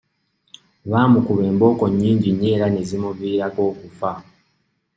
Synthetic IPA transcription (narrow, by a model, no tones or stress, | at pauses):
βaːmukuβe̞ːmbo̞ːko̞ɲːiːɲɟiɲːeːɾane̞zimuβiːɾako̞ːkufa